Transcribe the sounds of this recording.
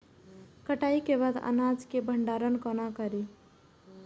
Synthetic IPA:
kəʈaikeβad̪ə̰nad͡ʒkebʱəɳɖaɾənkɔnakəɾi

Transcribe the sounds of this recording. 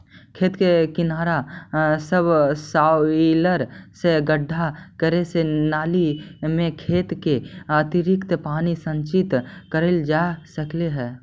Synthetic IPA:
kʰeːt̪kekɪnaːɾasəbsaːwiləɾseɡəɖʱːakəɾesenaːlimẽkʰeːt̪keɐt̪ɪɾɪkt̪paːnisə̃ɲt͡ʃɪt̪kəɾəld͡ʒaːsəkleɦɛː

